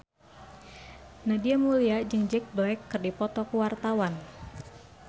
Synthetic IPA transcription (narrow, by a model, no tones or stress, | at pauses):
nadiamuliad͡ʒɨŋd͡ʒɛk̚blakːɨrdipɔt̪ɔkuwart̪awan